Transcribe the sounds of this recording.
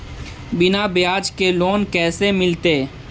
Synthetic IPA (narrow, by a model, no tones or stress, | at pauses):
bɪnabejaːd͡ʒkeloːnkɛːsemɪlt̪eː